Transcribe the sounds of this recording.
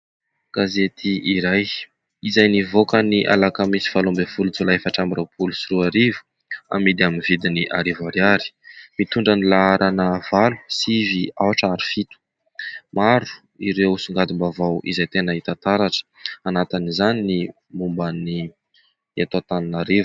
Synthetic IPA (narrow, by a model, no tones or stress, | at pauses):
ɡ̥azet̪ʰiʔiɾaj | izajnivokəniʔa̰lakamisi̥falombevulut͡sulaefaʈ͡ʂambirewpʰulusiɾuaɾivu̥ | a̰mid̪iaminvid̪iniʔaɾivaɾjaɾi̥mit̪uɳɖ͡ʐanilaaɾʔanəvalu̥siviawaʈ͡ʂaɾi̥fit̪u̥ | maɾu̥ | iɾewsuŋɡad̪imbavawʔḭzajt̪enəit̪at̪aɾaʈ͡ʂə̥anat̪inizanini | mumbani | et̪at̪aninaɾivu̥